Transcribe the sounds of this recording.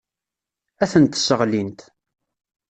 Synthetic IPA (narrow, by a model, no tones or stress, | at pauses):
æθənt̪səʁlint̪